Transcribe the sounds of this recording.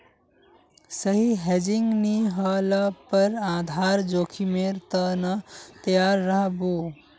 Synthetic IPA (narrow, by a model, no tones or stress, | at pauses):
səɦiɦed͡ʒiŋɡniɦələpəɾãd̪ʱaɾd͡ʒokʰimeɾt̪ənət̪əjaɾːəɦbo